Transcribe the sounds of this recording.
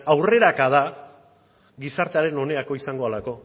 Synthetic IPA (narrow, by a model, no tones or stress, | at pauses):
awre̞ɾakað̞a | ɡisaɾt̪eaɾe̞no̞ne̞ako̞isaŋɡo̞alako̞